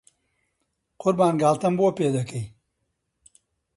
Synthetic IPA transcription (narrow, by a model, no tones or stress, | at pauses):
qʊɾbaːnɡaːlt̪ɐmboɐpeːd̪ɐkɐj